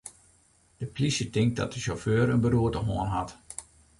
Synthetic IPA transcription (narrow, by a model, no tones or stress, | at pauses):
d̥əplisjətɪŋk̚dɔt̚dəʃoføːɾənbəɾuətəɦoənɦat